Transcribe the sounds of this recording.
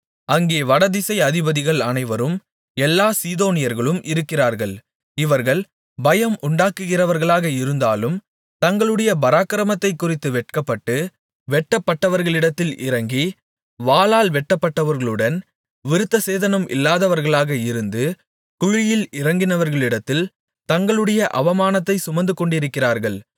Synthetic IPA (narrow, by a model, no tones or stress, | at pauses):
ɐŋɡeːʋɐɽɐðɪsɐɪɐðɪbɐðɪɣɐɭɐnɐɪʋɐɾɯm | ɛlːaːsiːðoːnɪjɐɾɣɐɭɯmʔɪɾɯkːɪraːɾɣɐɭ | ɪʋɐɾɣɐɭ | bɐjɐmʊɳɖaːkːɯɣɪrɐʋɐɾɣɐɭaːɣɐɪɾɯnd̪aːlɯm | t̪ɐŋɡɐɭɯɽɐjɐbɐɾaːkːɐɪɾɐmɐt̪ːɐɪkːʊrɪt̪ːɯʋɛʈ̚kɐpːɐʈːɯ | ʋɛʈːɐpːɐʈːɐʋɐɾɣɐɭɪɽɐt̪ːɪlʔɪ̰ɾɐŋɡi | ʋaːlaːlʋɛʈːɐpːɐʈːɐʋɐɾɣɐɭɯɽɐn | ʋɪɾɯt̪ːɐseːðɐnɐmʔɪ̰lːaːðɐʋɐɾɣɐɭaːɣɐɪɾɯnd̪ɯ | kʊɻɪjɪlɪɾɐŋɡɪnɐʋɐɾɣɐɭɪɽɐt̪ːɪl | t̪ɐŋɡɐɭɯɽɐjɐʔɐ̰ʋɐmaːnɐt̪ːɐɪsʊmɐnd̪ɯkɔɳɖɪɾɯkːɪraːɾɣɐɭ